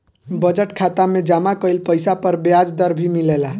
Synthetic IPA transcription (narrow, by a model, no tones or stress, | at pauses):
bəd͡ʒəʈkʰat̪amed͡ʒamakəjlpəjsapəɾbjad͡ʒd̪əɾbʱimilela